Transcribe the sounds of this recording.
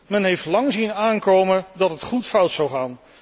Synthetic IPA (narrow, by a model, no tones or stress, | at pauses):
mɛnɦejftlɑŋzinaːŋkowmədɑtɦətχutfʌwtsʌwχaːn